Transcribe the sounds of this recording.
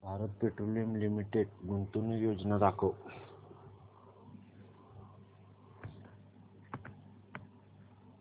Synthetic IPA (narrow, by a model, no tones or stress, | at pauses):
bʱaːɾət̪̚peʈɾolijəmlimiʈeɖɡunt̪unijoːd͡ʒnad̪akʰo